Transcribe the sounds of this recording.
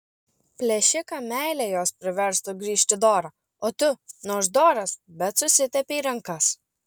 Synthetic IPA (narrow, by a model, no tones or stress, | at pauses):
pʲlʲɛʃʲɪkɑmʲæˑɪlʲɛjoːspʲɾʲɪʋʲɛɾst̪ʊɡɾʲiːʃʲt̪ʲɪd̪oːɾɐː | oːt̪ʊnoːsd̪oːɾɐsbʲɛt̪sʊsʲɪt̪ʲɛpʲeiːɾɐŋkɐs